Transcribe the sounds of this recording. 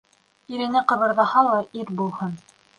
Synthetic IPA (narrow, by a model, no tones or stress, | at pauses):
iɾɘ̆nɘqɤ̆βɤ̆ɾðɑhɑlˠɑʔiɾbulˠhɤn